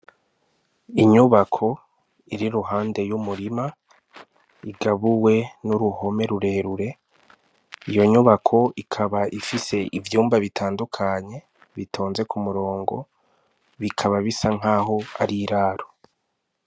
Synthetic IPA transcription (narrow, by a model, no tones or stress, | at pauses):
iɲuβakʰo̞ | iɾiɾuɦaːnde̞jumuɾima | iɡaβuwe̞nuɾuho̞me̞ɾuɾe̞ːɾuɾe̞ | ijo̞ɲuβakʰo̞ikʰaβaʔifise̞ʔivjuːmbaβitʰaːndukʰaɲe̞ | βitʰoːnze̞kumuɾo̞ːŋɡo̞̰ | βikʰaβaβisaŋ̥aːɦo̞aɾiɾaːɾo